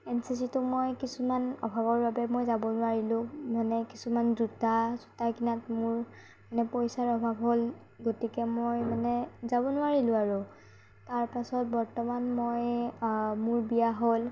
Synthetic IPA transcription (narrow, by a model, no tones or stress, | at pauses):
ɛnsisitʊmojkisumanɔ̰bʱabɔɹbabɛmojzabɔnʊwaɹilʊ̃manɛkisumanzutazutakinatmʊɹ | manɛpojsaɹɔbʱabɦol | ɡotikɛmojmanɛzabɔnʊwaɹilʊ̃aɹʊ | taɹpasɔt̚bɔɹtɔmanmoj | mʊɹbijaɦol